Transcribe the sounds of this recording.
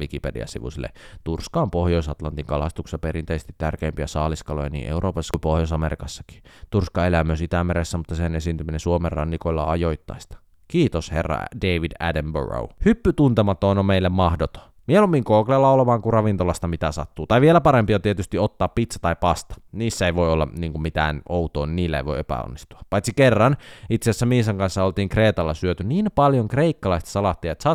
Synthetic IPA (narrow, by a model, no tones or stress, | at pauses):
ʋikipedḭɑ̰sḭʋṵsilːḛt̪urskɑːmpohjoisɑt̪lɑnt̪iŋkɑlɑst̪uksjɑpeɾint̪eisest̪it̪tærkeːmpiæsɑːliskɑlojɑ̰nḭːʔeuɾʔoːpɑsːɑ̥kupohjos̬ɑmeɾikɑsːɑ̥ki̥t̪urskɑelæmːˑøsit̪æmeɾesːæmut̪ːɑsenesint̪yminesuomerrɑ̰nːikoilːɑ̰ɑjoit̪ːɑ̰ist̪ɑ̥ | kiːt̪oshḛrːɑ̰deiʋidæ̰dæmbø̰ɹo̰uhypːyt̪unt̪emɑt̪ːoonomeilːemmɑhdot̪o̥ | mielomːiŋkoːkleːlːɑolemɑːŋkurɑʋint̪olɑst̪ɑmit̪æsɑ̰t̪ːuːt̪ɑiʋielæpɑɾempiot̪iet̪yst̪iot̪ːɑːppit̪sɑ̥t̪ɑipɑst̪ɑ̥niːsːæeiʋoiolːɑ̰niːŋkummit̪æ̰ːnout̪oːniniːlːæḛʋo̞̰iepæ̰o̰nːist̪uɑpɑjt̪sikerːɑnit̪siæsːæmiːsɑŋkɑnsːɑolt̪iːŋkreːt̪ɑlːɑsyøt̪yniːnpɑljoŋkreikːɑlɑist̪ɑ̥sɑlɑt̪ːiɑet̪sɑ